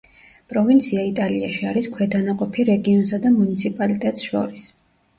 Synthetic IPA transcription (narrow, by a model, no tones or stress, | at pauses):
pʼɾɔvint̪sʰiait̪ʼalia̰ʃiaɾiskʰwɛd̪anaqʼɔpʰiɾɛɡiɔnsad̪amunit̪sʰipʼalit̪ʼɛt̪ʼsʃɔ̰ɾis